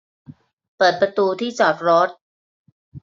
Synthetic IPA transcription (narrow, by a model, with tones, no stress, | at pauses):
pɤː˨˩t̪̚pɾa˧t̪uː˧t̪ʰiː˥˩t͡ɕɔː˨˩t̪̚ɾo˦˥t̪̚